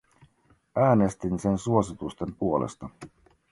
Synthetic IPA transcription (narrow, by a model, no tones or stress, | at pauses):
ʔæːne̞st̪inse̞nsuo̞sit̪ust̪e̞mpuo̞lʔḛst̪ɑ